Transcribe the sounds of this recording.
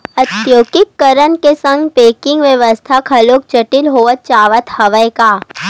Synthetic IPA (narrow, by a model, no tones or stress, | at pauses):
ɐt̪joːɡɪkːəɾənkesɐ̃ŋɡpeːkɪ̃ŋɡʋjəʋəst̪ʰakʰɐloːk̚t͡ʃɐʈɪlɦoːʋət̪̚t͡ʃaːʋət̪hɐʋəjkaː